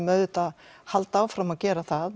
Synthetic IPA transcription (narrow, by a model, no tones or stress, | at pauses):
mœːɥðʏt̪aðhalt̪aːwfɾamaðcɛːɾaθað